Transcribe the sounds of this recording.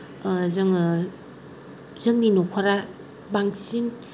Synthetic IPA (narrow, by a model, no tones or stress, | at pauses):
zɯŋ | zɯŋninokʰaɾa | baŋsin